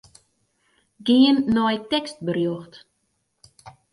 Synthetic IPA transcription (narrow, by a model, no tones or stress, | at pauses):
ɡiənːɔjtɛkst̚bərjoxt